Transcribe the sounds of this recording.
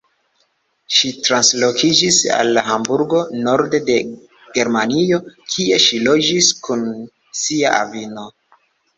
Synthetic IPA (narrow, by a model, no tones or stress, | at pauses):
ʃitɾanslo̞kid͡ʒisa̰lːaɦambuɾɡo̞no̞ɾde̞de̞ | ɡ̥e̞ɾmanio̞kʰie̞ʃilo̞d͡ʒiskun | siaʔa̰vino̞